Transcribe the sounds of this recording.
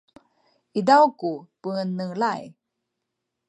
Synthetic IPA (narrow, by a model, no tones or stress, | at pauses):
idawkupəŋənːəŋlaj